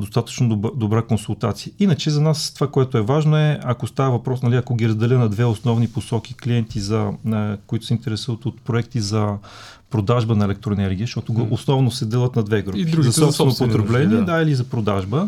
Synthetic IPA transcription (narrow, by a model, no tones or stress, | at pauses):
d̪ost̪at̪ə̥t͡ʃnod̪obɾakonsulˠt̪at̪sijəinət͡ʃɛzɐnast̪ovakoɛt̪oɛvaʒnoɛɐkost̪avəvɐpɾɔsnɐlʲiɐkoɡʲiɾɐzd̪ɛlʲənɐd̪vɛosnɔvniposɔk̟ʲikliɛnt̪izɐkoʊit̪ʊ̥sɛint̪ɛɾɛsuvət̪ot̪pɾoɛkt̪izɐ | pɾod̪aʒbənɐɛlɛk̚t̪ɾoɛnɛɾɡʲiəʃt̪ɔt̪oɡosnɔvnosɛd̪ɛlˠət̪nɐd̪vɛɡɾupizɐsɔpsɛnot̪pot̪ɾɛblɛnʲiɛd̪ailizɐpɾod̪aʒbə